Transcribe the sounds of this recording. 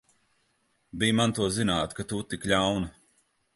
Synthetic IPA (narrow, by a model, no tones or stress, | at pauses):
bijmant̪uɔzinaːt̪kat̪ut̪ikʎʲawna